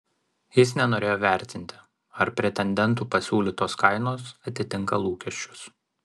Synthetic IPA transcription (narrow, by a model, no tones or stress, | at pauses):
jɪsnʲɛnoːɾʲeːjoːʋʲɛˑɾʲt̪ʲɪnʲt̪ʲɪ | ɐɾpʲɾʲɛt̪ʲɛnʲd̪ʲɛnˑt̪uːpɐsʲuːlʲiːt̪oːskɐɪnoːsɐt̪ʲɪt̪ʲɪŋkɐlˠuːkʲɛʃʲt͡ʃʲʊ̥s